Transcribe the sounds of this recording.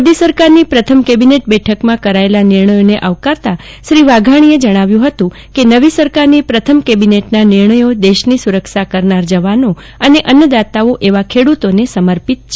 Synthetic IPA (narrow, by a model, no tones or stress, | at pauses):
d̪isəɾkaɾnipɾət̪ʰəmkebineʈ̚bɛʈʰəkmãkəɾaelanɪɾɳəjoneʔaʋkaɾt̪a | ʃɾiʋaɡʱaɽ̃ied͡ʒəɽ̃aʋjũɦət̪ũ | kenəʋisəɾkaɾnipɾət̪ʰəmkebineʈnanɪɾɳəjod̪eʃnisuɾəkʃakəɾnaɾd͡ʒəʋano | əneʔənjəd̪at̪aoʔeʋakʰeɽut̪onesəməɾpit̪̚t͡ʃʰe